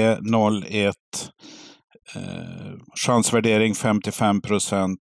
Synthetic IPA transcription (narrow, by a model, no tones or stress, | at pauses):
ənɔlːɛt̪ | ʂansvæɖeːɾɪŋfɛmt̪ɪfɛmpʰɾʊsɛnt̪